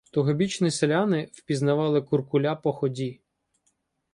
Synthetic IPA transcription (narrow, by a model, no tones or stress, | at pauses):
t̪ʊɦɔbʲit͡ʃniselʲanɪw̥pʲiznɐʋɑlˠɪkʊrkʊlʲapɔxɔdʲi